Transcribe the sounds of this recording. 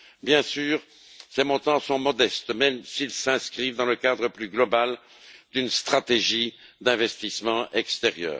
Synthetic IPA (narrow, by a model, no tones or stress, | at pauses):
bjɛ̃syːʁ | semɔ̃t̪ɑ̃sɔ̃mɔd̪ɛst̪mɛmsilsɛ̃skχivd̪ɑ̃ləkad̪ʁəplyɡlɔbal | d̪ynst̪χat̪eʒid̪ɛ̃vɛst̪ismɑ̃ʔɛkst̪eʁjœ̰ːʁ